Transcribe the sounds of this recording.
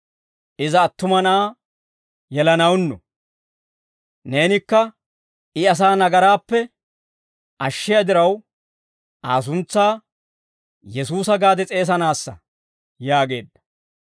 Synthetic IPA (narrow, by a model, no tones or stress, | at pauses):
ʔɪzɐːt̪ːʊmɐnaː | jɛlɐnɐwnːɔ | ne̞ːnɪkːɐ | ɪɐs̬aːnɐɡɐɾaːpːɛ | ʔɐʃːɪjɐd̪ɪɾɐw | aːs̬ʊnt͡sːaː | jɛsuːsɐɡaːd̪ɛt͡sʼe̞ːs̬ɐnaːsːɐ̰ | jaːɡe̞ːd̪ːɐ̥